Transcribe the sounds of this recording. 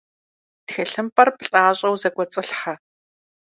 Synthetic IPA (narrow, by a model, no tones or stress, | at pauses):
txɛɬɨmpʼɐrpɬʼaːɕʼɐwzɐɡʷɔt͡sʼɨɬħɐ